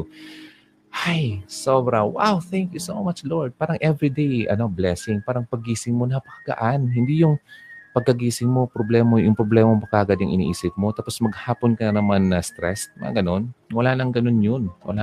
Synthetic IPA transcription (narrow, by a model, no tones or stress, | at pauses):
hajsoːbɾɐwa̰wθɛŋkjusowmat͡ʃloɹd̪̚paːɾɐŋʔɛvɾid̪ejʔɐ̰no̞blɛsɪŋpaːɾɐŋpɐɡiːsɪŋmonɐpɐkɐɡɐ̰ʔanhɪnd̪ijʊŋpɐɡ̚kɐɡiːsɪŋmo̞pɾoblɛːmojʊŋpɾoblɛːmɐŋpɐkaʔɐɡad̪ʊŋʔɪnḭʔiːsɪp̚mo̞t̪aːposmɐɡ̚haːponkɐnnɐmanːɐst̪ɾɛ̰smɐ̰ŋɐ̰ɡɐno̞nwɐlaːnɐŋɡɐno̞njonwʔɐ̰la